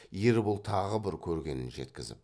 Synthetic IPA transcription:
jeɾbʊlˠt̪ʰɑʁəbɪɾkʲʰɵɾɡʲe̞̰nɪ̰nʒe̞t̪kʲɪzɪ̰p

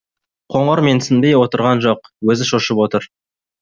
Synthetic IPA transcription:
qʰo̞ɴʁɑɾme̞nsɪnbe̞jwo̞t̪əɾʁɑnʒo̞qwɵzɪʃoʃəpwo̞t̪əɾ

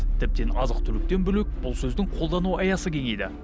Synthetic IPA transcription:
t̪ʰɪp̚t̪e̞nɑzəq̚t̪ʰʏlɪk̚t̪e̞nbʏlek̚ʲb̥ʊlˠsɵzd̪ɪŋqʰo̞lˠd̪ɑnuɑjɑsəkʲʰe̞ŋejd̪ɪ

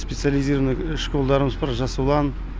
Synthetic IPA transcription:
spʲet̪sɨjalʲijzʲiɾəvnəɪʃkolˠd̪ɑɾəməzbɑɾʒɑsuwlˠɑn

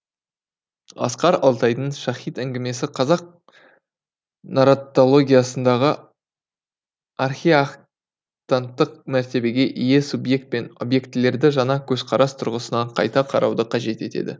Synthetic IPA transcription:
ɑ̰sqɑɾɑlˠt̪ɑjd̪əɴʃɑχijt̪æŋɡʲɪme̞sɪqʰɑzɑq̚ | noɾot̪o̞lˠo̞ɡʲijasənd̪ɑʁə | arχiaq | t̪ant̪ːəq̚mæɾt̪e̞be̞ɡʲe̞ʔije̞subje̞k̚t̪̚pe̞no̞̰bje̞kt̪ːle̞ɾd̪ɪʒɑnɑkʲʰɵz̥qʰɑɾɑst̪ʰʊɾʁəsənɑqʰɑ̰jt̪ɑqʰɑɾʔɑwd̪əqʰɑʒe̞t̪e̞̰t̪ʰe̞̰d̪ɪ̰

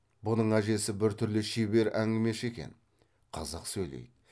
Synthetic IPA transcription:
bʊnəɴæʒe̞sɪbɪɾt̪ʰʏɾlɪʃebe̞ɾæŋɡʲɪme̞ʃe̞kʲḛn | qʰɑzɑqsɵjlḛjd̪ɪ

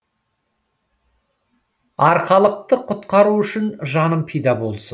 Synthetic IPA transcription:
ɑɾqɑlˠəq̚t̪əqʰʊt̪qɑɾuʏʃɪnʒɑnəmpʰejd̪ɑbo̞lˠsən

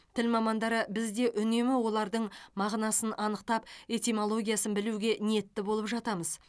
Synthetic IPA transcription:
t̪ʰɪlmɑmɑnd̪ɑɾəbɪzd̪e̞ʔʏne̞mɪwo̞lˠɑɾd̪əɴmɑʁnɑsənɑnəqt̪ɑpe̞t̪ʲimo̞lˠo̞ɡʲijasənbɪluɡʲe̞nije̞t̪ːɪbolˠəpʒɑt̪ɑməz

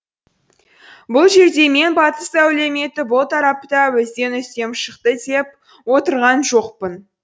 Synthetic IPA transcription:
bʊlˠʒe̞ɾd̪e̞me̞nbɑt̪əsæwle̞me̞t̪ɪbʊlˠt̪ʰɑɾɑp̚t̪ɑwɪzd̪e̞nʏst̪e̞mʃəqt̪əd̪e̞p̚ | wo̞t̪əɾʁɑnʒo̞qpən

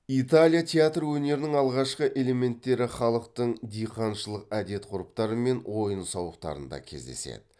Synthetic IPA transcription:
it̪alʲijat̪ʲʰeat̪rwɵne̞ɾɪnɪŋɑlˠʁɑʃqəʔe̞le̞me̞nt̪ːe̞ɾɪχɑlˠəqt̪əɴd̪ijqɑnʃəlˠəqæd̪e̞t̪qʰʊɾəpt̪ɑɾəme̞nwo̞jənsɑwəqt̪ɑ̰ɾə̰nd̪ɑ̰kʲʰe̞̰zd̪e̞̰sḛd̪̥ɪ̥

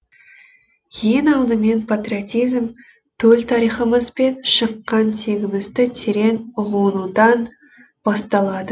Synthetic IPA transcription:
je̞nɑlˠd̪əme̞npʰat̪ɾʲiot̪ijzm | t̪ʰɵlt̪ʰɑɾijχəməzbe̞nʃəqːɑnt̪ʰe̞ɡʲɪmɪzd̪ɪt̪ʰeɾe̞nʊʁuwənud̪ɑn | b̥ɑst̪ɑlˠɑd̪ə

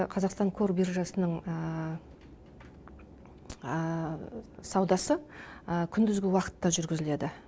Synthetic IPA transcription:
qʰɑzɑqst̪ɑŋkʰo̞rbirʒɑsənəɴ | sɑwd̪ɑsəkʲʰʏnd̪ɪzɡʲɪwɑqə̥t̪ːɑʒʏɾɡʲɪzɪle̞d̪ɪ

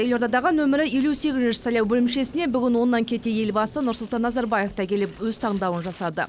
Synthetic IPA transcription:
jelo̞ɾt̪ɑd̪ɑʁənwɵmɪɾɪje̞luse̞ɡʲɪzɪnʃɪ̥sɑjlˠɑwbɵlɪmʃe̞sɪne̞bʏɡʲɪnwo̞nːɑŋkʲʰe̞t̪e̞je̞lbɑsənʊɾsʊlˠt̪ɑnːɑzɑɾbɑje̞ft̪ɑkʲʰe̞lɪpwɵzt̪ʰɑʁɴd̪ɑwənʒɑssɑd̪ə̰

